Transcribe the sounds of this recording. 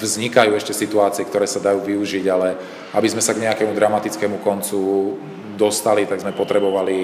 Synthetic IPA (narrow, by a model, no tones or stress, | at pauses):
vzɲikajuːɛʃcɛsit̪uaːt͡siɛkt̪ɔɾɛːsad̪ajuːʋiuʒiɟalɛ | abizmɛsaɡɲɛakɛmud̪ɾamat̪it͡skɛmukɔnt͡su | d̪ɔst̪alit̪aɡzmɛpɔt̪ɾɛbɔʋali